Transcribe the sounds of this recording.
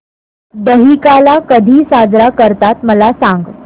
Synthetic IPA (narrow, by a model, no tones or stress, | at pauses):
d̪əɦikalakəd̪ʱiːsad͡zɾakəɾt̪at̪məlasãŋɡ